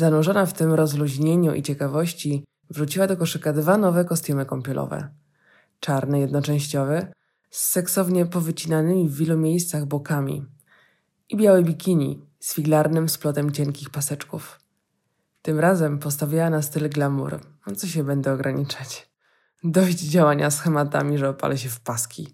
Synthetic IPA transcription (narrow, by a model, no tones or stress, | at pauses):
zanɔʐɔnaft̪ɘmɾɔzluʑɲeɲuʔḭt͡ɕɛkavɔɕt͡ɕi | vɾut͡ɕiwad̪ɔkɔʂɘkad̪vanɔvɛkɔst̪umɘkɔmpʲjɔlɔ̰vɛ̰ | t͡ʂaɾnɛjɛd̪nɔt͡ʂɛ̃w̃ɕt͡ɕɔvɛ | sːɛksɔvɲɛpɔvɘt͡ɕinanɘmʲivːʲilumʲjejst̪saɣbɔkamʲḭ | ibʲjawɛbʲikʲiɲḭ | sfʲiɡlaɾnɘmsplɔt̪ɛmt͡ɕɛŋkʲixpasɛt͡ʂkuf | t̪ɘmɾazɛmpɔst̪avʲjawanast̪ɘlɡlamṵɾ | ɔt̪sɔɕ̬ɛbɛnd̪ɛɔɡɾʔaɲit͡ʂat͡ɕ | d̪ɔɕd͡ʑd͡ʑawaɲasxɛmat̪a̰mʲiʐɛɔpa̰lʔɛɕɛfpaskʲḭ